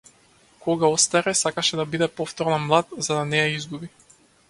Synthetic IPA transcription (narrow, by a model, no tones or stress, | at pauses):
kɔɡaɔst̪aɾɛsakaʃɛd̪abid̪ɛpɔft̪ɔɾnamlˠat̪zad̪anɛjaizɡubi